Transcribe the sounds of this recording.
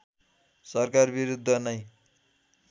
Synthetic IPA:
sʌrkarbiɾud̪ʱːʌnʌj

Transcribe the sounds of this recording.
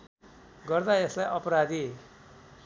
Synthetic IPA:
ɡʌrd̪aeslajʔʌpɾad̪i

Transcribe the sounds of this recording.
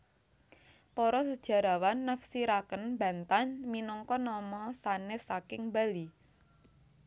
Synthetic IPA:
pɔɾɔsəd̥ʒ̥a̤ɾawanːəfsiɾakənba̤nt̪anminɔŋkɔnɔmɔsanesakɪŋbali

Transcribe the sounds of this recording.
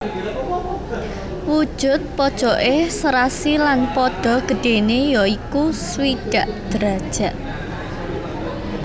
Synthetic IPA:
wud̥ʒ̥ʊ̤t̪̚pɔd̥ʒ̥ɔʔesəɾasilanpɔɖ̥ɔ̤ɡ̥ə̤ɖ̥e̤nejɔikuswiɖ̥a̤ʔd̪̥ɾad̥ʒ̥ä̤ʔ

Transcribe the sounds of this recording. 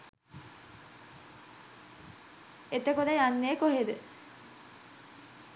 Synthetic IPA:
et̪əkod̪ajanːeːkoɦed̪ə

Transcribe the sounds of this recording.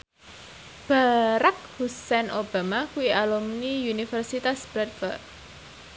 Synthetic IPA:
b̥aɾak̚husɛnʔob̥a̤makuwiʔalumniunifərsit̪asb̥ɾɛd̚fərd̚

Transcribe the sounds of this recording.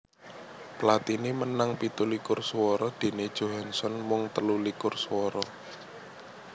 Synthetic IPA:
pəlat̪inimənaŋpit̪ulikʊrswɔɾɔd̪̥e̤ned̥ʒ̥o̤ɦansɔnmʊŋt̪əlulikʊrswɔɾɔ

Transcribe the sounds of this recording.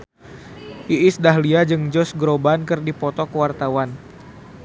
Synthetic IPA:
ʔiʔɪsdaɦliad͡ʒɨŋd͡ʒɔsɡɾobankɨrdipɔt̪ɔkəwart̪awan

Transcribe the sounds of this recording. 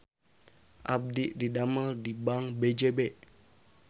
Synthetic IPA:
ʔab̚diʔdidaməldibaŋbed͡ʒebɛʔ

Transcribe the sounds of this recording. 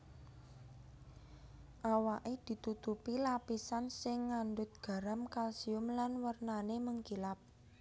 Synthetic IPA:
ʔawaʔed̪̥i̤t̪ut̪upilapisansɪŋːand̪ʊt̪̚ɡ̥ä̤ɾamkalsiʊmlanwərnaneməŋkilap̚

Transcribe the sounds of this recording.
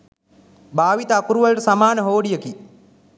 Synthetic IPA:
bʱaːʋit̪aːkuɾuʋalʈəsamaːnəɦoːɖijəki

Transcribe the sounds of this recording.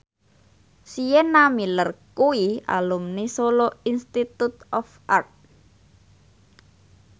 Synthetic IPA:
sijenamilərkuia̰lumnisoloinst̪it̪ut̪ɔfʔart̪̚

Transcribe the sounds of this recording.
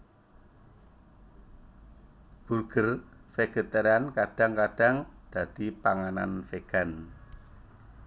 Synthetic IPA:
b̥urɡ̥ərfeɡ̥ə̤t̪eɾankaɖ̥a̤ŋkaɖ̥a̤ŋd̪̥ä̤d̪̥ipaŋana̰nfeɡ̥a̤n

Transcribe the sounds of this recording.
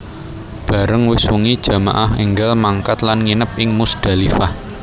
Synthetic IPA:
b̥ä̤ɾəŋwɪswuŋid̥ʒ̥ä̤ma̰ʔahḛŋɡalmaŋkat̪lanŋinəp̚ʔɪŋmusd̪̥a̤lifah

